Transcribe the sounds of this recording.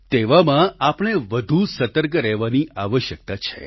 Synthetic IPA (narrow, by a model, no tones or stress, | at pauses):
t̪eʋamãapɳ̃eʋəd̪ʱusət̪əɾɡɾɛɦʋaniaʋəʃjək̚t̪at͡ʃʰḛ